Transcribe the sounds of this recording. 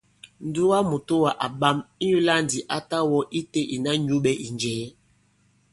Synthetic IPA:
n̩˨˦du˦wa˦mu˨to˦wa˨ʔa˨ɓa˦mi˦ju˦la˦n˨di˨ʔa˦ta˦wɔ˦ʔi˦te˦ʔi˨na˦ɲu˦ɓɛ˨ʔi˨nd͡ʒɛː˨˦

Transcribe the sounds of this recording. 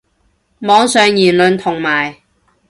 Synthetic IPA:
mɔː˨˥ŋsœː˨˧ŋjiː˨˩nlɵ˨nt̪ʰʊ˨˩ŋmaː˨˩j

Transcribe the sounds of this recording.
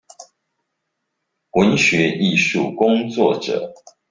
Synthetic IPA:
wə˨˦nɕɥɛ˨˧˦ʔi˥˨ʂu˨kʊ˦ŋt͡swɔ˥˨ʈ͡ʂɤ̰˨˩˦

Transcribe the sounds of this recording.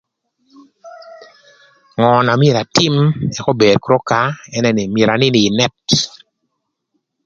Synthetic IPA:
ŋɔ˨na˨mje˨ɾa˨tɪ˦mɛ˨kɔ˦be˨ɾkɾo˦ka˨˦ɛ˦nɛ˦nɪ˨mje˨ɾa˨nɪ˦nɪː˨nɛ˦t

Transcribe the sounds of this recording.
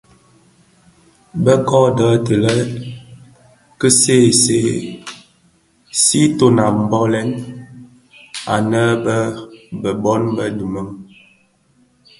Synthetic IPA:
bə˦kɔ˦dəː˨˦tə˨lə˦ | kə˦seː˦˨se˦ | si˦to˨na˨m̩˨bɔ˦lɛ˦n | a̰˨nə˦bə˦bə˨bɔ˦nbə˦nu˨mə˦ŋ

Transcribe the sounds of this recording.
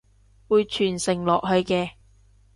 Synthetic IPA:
wuː˨jt͡ʃʰyː˨˩nsɪ˨˩ŋlɔː˨k̚hɵ˧ɥkɛː˧

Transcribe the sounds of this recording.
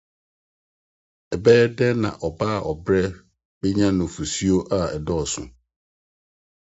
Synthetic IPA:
ɛ˨bɛː˦dɛ˦nã̰˨ʔɔ˨baː˦˨ʔɔ˨bɾɛ˦ | bɛ˦ɲã˦nʊ̃˨fu˨si˦o˦ʔa˦ɛ˨dɔ˦˨ɔ˨sʊ̰̃˨

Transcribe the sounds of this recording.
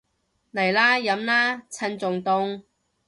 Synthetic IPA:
nɐ˨˩jlaː˥jɐ˨˥mlaː˥t͡sʰɐ˧nt͡sʊ˨ŋt̪ʊ˧ŋ

